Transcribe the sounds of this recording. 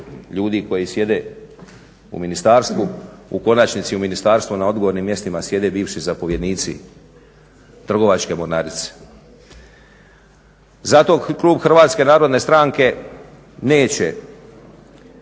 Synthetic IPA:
ʎuːd̪iko̞jisje̞d̪e̞ | ṵminist̪aːɾst̪ʋuṵko̞nat͡ʃnit̪siuminist̪aːɾst̪ʋunao̞d̪ɡoʋoːɾnimje̞st̪imasje̞d̪e̞biːʋʃizapo̞ʋjed̪niːt̪sḭ | t̪r̩ɡo̞ʋat͡ʃke̞moɾnaːɾit̪se̥ | zat̪o̞klˠuːbxr̩ʋaːt̪ske̞naːɾo̞d̪ne̞st̪ɾaŋke̞ | ne̞ːt͡ɕe̞

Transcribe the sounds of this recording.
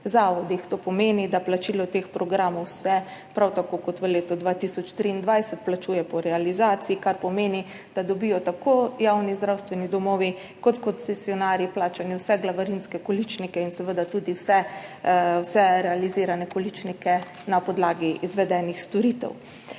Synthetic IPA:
zaːʋɔd̪ixt̪opɔmeːnid̪aplat͡ʃiːlɔt̪eːxpɾɔɡɾaːmɔwsɛpɾawt̪akokɔt̪ʋəleːt̪ɔd̪ʋat̪isɔt͡ʃt̪ɾiːnd̪ʋajsət̪̚plat͡ʃuːjɛpɔɾɛalizaːt̪siikaɾpɔmeːni | d̪̥ad̪ɔbiːjɔt̪akʰoːjawnizd̪ɾawst̪ʋɛnid̪ɔmɔːʋi | kɔt̪kɔnsɛsiɔnaːɾjiplaːt͡ʃaniwsɛɡlaʋaɾinskɛkɔlit͡ʃnikɛinsɛʋəd̪at̪uːd̪iwsɛ | wsɛɾɛaliziːɾanɛkɔlit͡ʃnikɛ | napɔd̪laːɡiːzʋɛd̪ɛːnixst̪ɔɾit̪ɛ̰w

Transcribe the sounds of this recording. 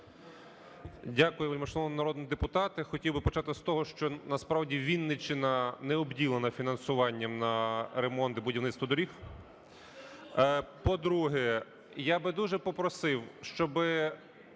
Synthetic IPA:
dʲakʊjɛmɐʃnɔɔmnɐɾɔd̪niid̪epʊt̪ɑt̪ɪxɔtʲiwbɪpɔt͡ʃɑt̪ɪst̪ɔɦɔʃt͡ʃɔnɐspɾɑwdʲiʋʲinːɪt͡ʃenɐnɛɔbdʲilˠenɐfʲinɐnsʊʋɑnʲːɐmnɐɾemɔnt̪ɪbʊdʲiʋnɪt̪st̪ʋɐd̪ɔɾʲix | pɔd̪ɾuɦɛ | jabɪd̪uʒɛpɔpɾɔsɪwʃt͡ʃɔbɪ

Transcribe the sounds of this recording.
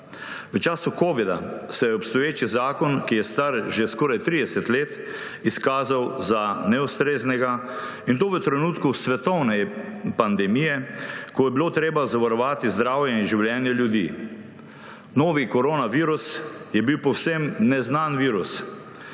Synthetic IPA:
ʋət͡ʃaːsukoːʋid̪a̰sɛjɛɔpst̪ɔjeːt͡ʃizaːkɔnkijɛst̪aɾʒeskɔːɾajt̪ɾiːd̪ɛsɛt̪leːt̪ | iskaːzawzanɛust̪ɾeːznɛɡa | int̪oːʋət̪ɾɛnuːt̪kusʋɛt̪ɔwnɛpand̪ɛmijɛkɔjɛbiloːt̪ɾeːbazaʋaɾɔʋaːt̪izd̪ɾaːwjɛinʒiwljɛːnjɛljud̪ḭː | noːʋikɔɾoːnaʋiːɾusjɛbiwpɔwsemnɛznaːnʋiːɾus

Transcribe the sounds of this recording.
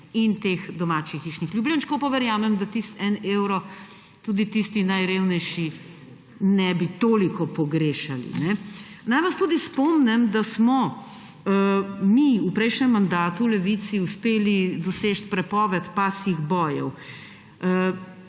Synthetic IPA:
int̪exd̪ɔmaːt͡ʃixiʃnixlʲjublinʃkopɔʋɛɾjaːmɛmd̪at̪ist̪ɛneːwɾɔ | t̪uːd̪it̪ist̪inajɾewnɛjʃi | nɛbit̪oːlikɔpɔɡɾeːʃalḭnɛ | najʋast̪uːd̪ispɔmnɛmd̪asmɔ | miupɾɛjʃnɛmːand̪aːt̪ulɛʋit̪siuspeːlid̪ɔset͡ʃt̪pɾɛpɔʋɛt̪pasiɣbɔːjɛ̰w

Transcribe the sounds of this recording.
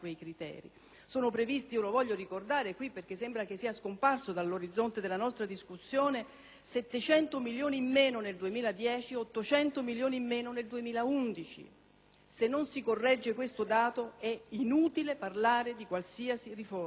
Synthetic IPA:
kwejkɾit̪ɛ̰ːɾḭ | soːnopɾevist̪iiolovɔʎːoɾikord̪aːɾekwipːerk̟esːembɾak̟esːiːaskomparsod̪alːoɾid̪zːont̪ed̪elːanɔst̪ɾad̪iskusːjoːne | sɛt̪ːet͡ʃɛnt̪omiljoːnimːeːnoneld̪uemiːlad̪jɛːt͡ʃiɔt̪ːot͡ʃɛnt̪omiljoːnimːeːnoneld̪uemiːlaund̪it͡ʃḭ | senːonsikorːɛd͡ʒːekwest̪od̪aːt̪oɛinuːt̪ileparlaːɾed̪ikwalsiːasirifo

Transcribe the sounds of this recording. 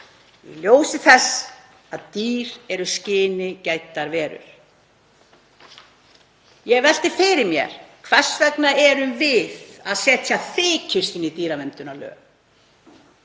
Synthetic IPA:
jɛ̰ljoːwsɪθɛsː | aðt̪iːɾɛɾʏscɪːnɪcaːjt̪aɾvɛːɾʏ̰ɾ̥ | jɛɣvɛl̥t̪ɪfɪɾɪmjɛ̰ɾ̥kʰvɛr̥svɛknaɛɾʏmvɪðaðsɛːt̪ʰjaθɪːcʰɪ̥st̪ɪnit̪iːɾavɛnt̪ʏnalœ̰ː

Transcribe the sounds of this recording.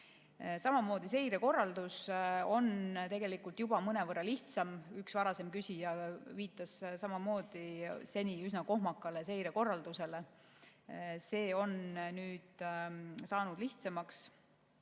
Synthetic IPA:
sɑmɑmo̞ːd̪ise̞jɾe̞ko̞rːɑld̪uso̞nt̪e̞ɡe̞likult̪jub̥ɑmɤne̞vɤrːɑliht̪sɑmyksvɑɾɑse̞mkysʲijɑviːt̪ːˑɑssɑmɑmo̞ːd̪̥ise̞nʲiysnɑko̞ɦmɑkːˑɑle̞se̞jɾeko̞rːɑld̪̥use̞le | se̞ːo̞nnyːd̪̥ | sɑːnud̪̥liht̪semɑks

